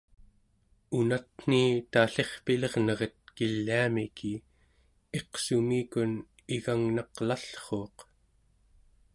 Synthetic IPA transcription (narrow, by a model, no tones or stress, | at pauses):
unat̪n̥iːt̪aɬe̞χpileʁnʌʁət̪̚kilːiamikʰi | e̞qsumiːkun | iɣaŋnɑqlaɬχo̞ːq